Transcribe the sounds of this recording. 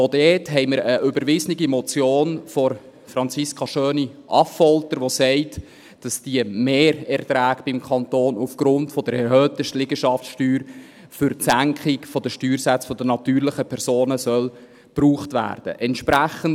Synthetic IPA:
odɛːtɦɛɪməɾəʔʏbəɾʋɪznɪɡimɔt͡sjoːnfɔr | fɾɑnt͡siskʰɑʃøːniʔɑ̰ffɔltəɾʋosɛɪt | d̥ɑsd̥iəmeːɾɛrtɾæːkb̥ɪmkʰɑnt̪oːnufɡ̥ɾʊntfɔd̥əɾɛɾɦøːt̪əʃtlɪɡəʃɑftsʃtyːɾ | fʏɾtsæŋkχɪkfɔd̥əʃtyːɾsæt͡sfɔd̥ənɑt̪yːɾlɪχəpʰɛɾsoːnəsœl | b̥ruːχtvæ̰ːrd̥ə̰ʔɛntʃpɾæχən

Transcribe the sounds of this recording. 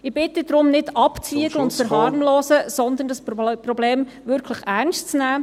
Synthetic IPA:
ɪb̥ɪt̪ədɾʊmnɪdɑpt͡siəɡləʊntfəɾɦɑːɾmloːsəsɔnd̪ən̩dɑsprɔbleːm | ʋʏɾkʰləχæɾnstt͡snæː

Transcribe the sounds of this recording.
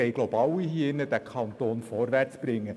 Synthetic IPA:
ɛɪɡ̥lobɑwiɦiːɪnːəd̥ækʰɑnt̪oːnfɔɾʋært͡sb̥ɾɪŋːə

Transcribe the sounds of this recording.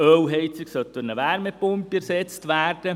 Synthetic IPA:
œwɦɛɪt͡sɪksœt̪ənəʋæɾmɛpʊmpiɛɾsɛt͡stʋæːrd̥ə

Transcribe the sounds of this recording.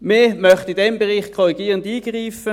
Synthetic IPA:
memœχtidɛmbeʁiːχkʰɔʁiɡiːʁəndiːɡ̥ʁiːfə

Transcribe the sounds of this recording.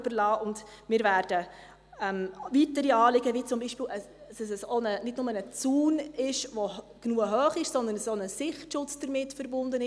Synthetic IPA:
bəɾlɑːʔʊnd | mɪːɾvæːɾd̥ə | ɛmvitəɾiɑːlɪɡəvit͡sʊmbiːʃpiːlə | səsəsonənɪdnʊmənət͡suːnɪʃʋo | ɡ̥nuəɦœːχɪʃsɔndənsonəsɪχtʃʊt͡sd̥əɾmɪtfəɾbʊndənɪ

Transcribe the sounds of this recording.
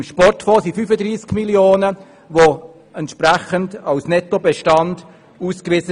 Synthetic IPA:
mʃpɔrtfɔːsifyfədɾiːskmiljoːnə | ʋo | ɛntʃpɾæχəndɑʊsnɛtobɛʃtɑnd̥ | uːskʋɪzə

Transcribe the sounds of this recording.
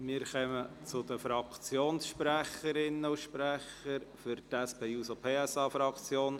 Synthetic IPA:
mɪːɾχœmət͡sʊd̪əfɾɑkt͡sjoːnsʃpɾæχəɾɪnːəʊʃpɾæχəɾfʏɾtæspeːuːsopʰeːɛsɑːfɾɑkt͡sjoːn

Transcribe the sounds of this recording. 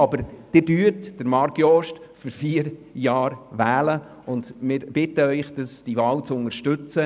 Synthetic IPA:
ɑbəɾd̥ɪdyːɾtd̥əɾmɑɾɡjɔʃtfɨɾfiːəɾjɑːɾʋæːlə | ʊnd̥mɪɾb̥ɪtəœʏχd̥ɑsd̥ivɑːwt͡sʊnəɾʃtʏt͡sə

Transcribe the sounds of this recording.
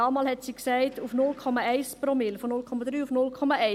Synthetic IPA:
ɑːmɑːlhɛtsiːksæɪtufnʊlkʰɔmɑɛɪspɾomɪlfɔnʊlkʰɔmɑdɾyːufnʊlkʰɔmɑʔɛɪ

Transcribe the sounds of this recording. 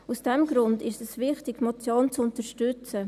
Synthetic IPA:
usd̥ɛmɡɾʊndɪʃɛsʋɪχtɪɡ̥mot͡sjoːnt͡sʊnt̪əʃtʏt͡sə

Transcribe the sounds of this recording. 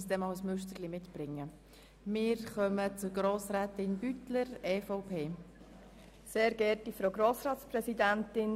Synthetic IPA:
sdɛmɑʊəsmʉʃtəlimɪtb̥ɾɪŋːə | mɪːɾχœmət͡sʊɡɾoːsɾɛːtɪnb̥ytləɾɛːfɔʊpʰeː | seːɾɡɛɾtifɾoɡɾoːsɾɑːtspɾɛsidænt̪ɪn

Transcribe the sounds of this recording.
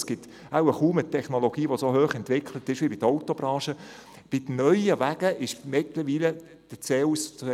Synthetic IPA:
sɡ̥ɪt̪ | awəχuːmətʰɛχnoloɡ̥iːʋosoɦøːχɛntʋɪkʰlət̪ɪʃʋibɪd̪əɔʊt̪obɾɑ̃ːʃə | b̥ɪd̥ənœʏəʋæɡ̥əʔɪʃmɪt̪ləʋiːlə | d̥ət͡seːus

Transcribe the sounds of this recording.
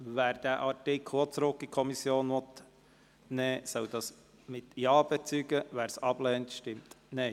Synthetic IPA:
ʋæːɾd̥̪æʔɑɾtɪkʰot͡sɾʊkːikʰɔmisjoːnʋɔt̪ | nɛːsœwd̥ɑːs | mɪt̪jɑːb̥ɛt͡syɡəʋæːɾsɑb̥lɛːntʃtɪmt̪nɛɪ

